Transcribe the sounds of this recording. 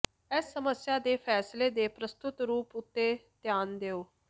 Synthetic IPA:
ɛːsːəməsjaːd̪eːpʰɛːsleːd̪eːpɾəst̪ʊt̪ɾuːpʊt̪ːeːt̪jaːnd̪eːoː

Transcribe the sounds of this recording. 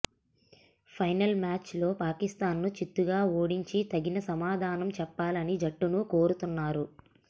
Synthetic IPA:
pʰɐjnɐlmaːt͡ʃlo̞ːpaːkist̪aːnːut͡ʃit̪ːuɡaːoːɽiɲt͡ʃit̪ɐɡinɐsɐmaːd̪ʱaːnɐmt͡ʃɛpːaːlɐnid͡ʒɐʈːunuko̞ːɾut̪unːaːɾu

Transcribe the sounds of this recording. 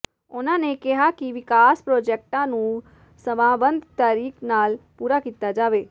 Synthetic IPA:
ʊnãːnekɛɦakiʋɪkaːspɾoːd͡ʒɛːk̚ʈãːnũː | səmaːbə̃nd̪ʱt̪aːɾiːknaːlpuːɾakiːt̪ad͡ʒaːʋeː

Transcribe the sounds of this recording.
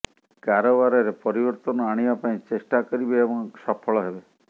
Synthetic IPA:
kaɾobaɾɔɾepɔɾibɔɾt̪ɔnɔaɽ̃ibapaĩt͡ʃesʈakɔɾibeːbɔŋsɔpʰɔɭɔɦebe

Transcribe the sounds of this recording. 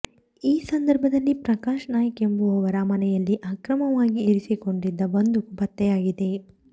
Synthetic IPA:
iːsɐnd̪ɐɾbʱɐd̪ɐlːipɾɐkaːʃɐnaːjɐkembuɐʋɐɾɐmɐnɛjɐlːiʔaːkɾɐmɐʋaːɡiːɾisiko̞ɳɖid̪ːɐʋond̪ubɐt̪ːɛjaːɡid̪e̞

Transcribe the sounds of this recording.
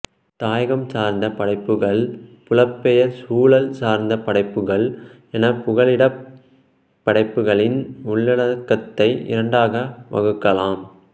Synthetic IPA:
t̪aːjɐɣɐmsaːɾnd̪ɐpɐɽɐɪpːɯɣɐɭpʊlɐpːɛjɐsuːɭɐlsaːɾnd̪ɐpɐɽɐɪpːɯɣɐɭ | ɛnɐpʊɣɐɭɪɽɐ | ɐɽɐɪpːɯɣɐɭɪnʊɭːɐɽɐkːɐt̪ːɐɪɪ̰ɾɐɳɖaːɣɐʋɐ̰ɣɯkːɐlaːm

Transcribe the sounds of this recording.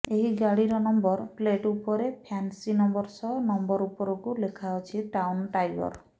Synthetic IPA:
eɦiɡaɽiɾɔnɔmbɔɾpleʈupɔɾepʰansinɔmbɔɾsɔnɔmbɔɾupɔɾɔkulekʰaɔt͡ʃʰiʈawnʈajbɔ̰ɾ

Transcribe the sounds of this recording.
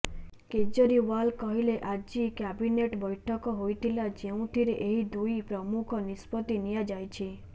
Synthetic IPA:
ked͡ʒɔɾiwalkɔɦileʔad͡ʒikabineʈbɔjʈʰɔkɔɦojt̪ʰilad͡ʒeũt̪ʰiɾeʔeɦid̪uipɾɔmukʰɔnispɔt̪inijad͡ʒajt͡ʃʰi

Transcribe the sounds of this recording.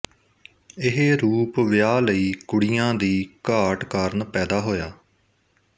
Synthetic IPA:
ɪɦeɾuːpʋɪjaːləiːkʊɽijãːd̪iːkaːʈkaːɾnpɛːd̪aːɦoːjaː

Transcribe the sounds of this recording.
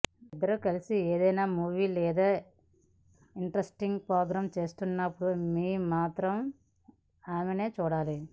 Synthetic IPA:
id̪ːɐɾukɐlisieːd̪ɐjnaːmuːʋiːlɛːd̪aː | iɳʈɾɐsʈiŋɡpɾoːɡɾaːmt͡ʃe̞ːst̪unːɐpːuɽumiːmaːt̪ɾɐm | aːmeneːt͡ʃuːɽaːli

